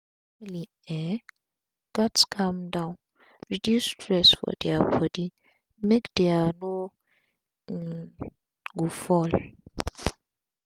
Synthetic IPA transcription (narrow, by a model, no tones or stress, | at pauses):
li | ɛ | ɡ̥atskʰamdãʊn | ɹidjustʰɹɛsfɔ̰dɛapʰɔdi | mekd̥ɛano | ɡufɔl